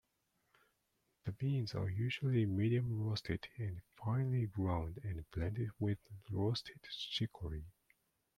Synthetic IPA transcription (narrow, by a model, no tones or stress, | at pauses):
ðəbĩnzə̰jʉʒəlimiɾiə̃mɹostʰɪdɛ̃nfãɪnəliɡɹãʊ̃ndɛ̃npʰlæ̃ntɪd̚wɪðɹostʰɪd̥ʃɪkʰəɹi